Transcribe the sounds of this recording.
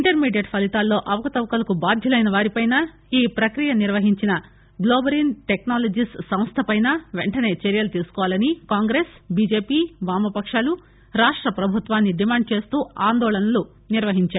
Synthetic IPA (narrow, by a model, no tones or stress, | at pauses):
iɳʈɐɾmiːɖjɐɖpʰɐlit̪aːlːo̞ːʔɐʋɐkɐt̪ɐʋkɐlɐkubaːd̪ʱjɐlɐjnɐʋaːɾipɐjnɐ | iːpɾɐkɾijɐniɾʋɐɦiɲt͡ʃinɐ | ɡloːbɐɾinʈeknaːlɐd͡ʒissɐmst̪ʰɐpɐjnɐʋeɳʈɐne̞ːt͡ʃɐɾjɐlut̪iːsu̥kɔːʋaːlɐnikaːŋɡɾeːsbiːd͡ʒe̞ːpiːbaːmɐpɐkʂaːlu | ɾaːʂʈɾɐpɾɐbʱut̪ʋaːnːiɖimaːɳɖ̚t͡ʃe̞ːst̪uːaːnd̪ɔːlɐnɐlu | niɾʋɐɦiɲt͡ʃaːɾu